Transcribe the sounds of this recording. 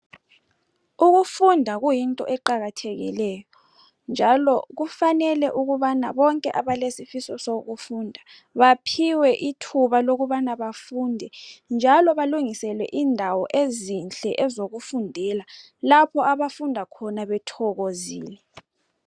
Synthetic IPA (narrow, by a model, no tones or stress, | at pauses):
uɣufundʱaɣujintʼɔ̰ʔɛǃaɣatʰeɣḭlɛjɔ | nd͡ʒʱalɔɣufanɛlɛʔuɣuβana̰βɔŋkʼɛʔaβalesifisɔsoɣufuːndʱa | βapʰiwɛʔitʰuβaloɣuβanaβafundʱɛnd͡ʒʱalɔβaluŋisɛlwɛ̰ʔindʱawɔʔezint͡ɬʼɛʔɛzoɣufundʱɛla | lapʰɔaβafundʱakʰɔnaβɛtʰɔɣozḭːlɛ